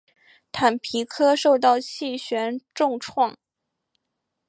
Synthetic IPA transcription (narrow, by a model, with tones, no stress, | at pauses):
t̪ʰa˨˩npʰi˧˥kʰɤ˥ʂo˥˧ʊt̪ɑ˥˧ʊt͡ɕʰi˥˩ɕɥɛ˧˥nʈ͡ʂʊ˥˧ŋʈ͡ʂʰwɑ˥˩ŋ